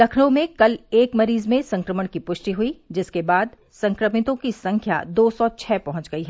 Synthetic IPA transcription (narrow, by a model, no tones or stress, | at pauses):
d̪ɐkʰɽõmẽkɐleːkmɐɾiːzmẽsɐ̃ŋkɾəməɽ̃kipʊʃʈiɦuid͡ʒɪskebaːd̪ | sɐ̃ŋkɾəmɪt̪õkisɐ̃ŋkʰja̰d̪oːsɔt͡ʃʰɛːpɐɦɔ̃ɲt͡ʃɡɐiɦɛ